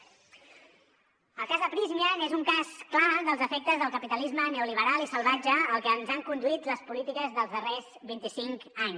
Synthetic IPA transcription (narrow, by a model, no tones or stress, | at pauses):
əlˠkazðəpɾizmiənezuŋkasklaðəlˠzəfɛk̚t̪əzðəlˠkəpit̪əlizməneuliβ̞əɾalˠisəlˠβad͡ʒəəlˠkəːnzaŋkund̪uit̪ləspulit̪ikəzðəlˠzðərezβint̪isiŋkaɲs